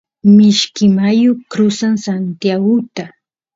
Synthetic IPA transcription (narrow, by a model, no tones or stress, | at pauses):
mɪʃkɪmajʊkɾʊsaŋsant̪jaɡʊt̪a